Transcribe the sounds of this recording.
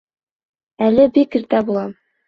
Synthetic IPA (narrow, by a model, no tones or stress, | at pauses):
ælɘbikiɾt̪æbulˠɑm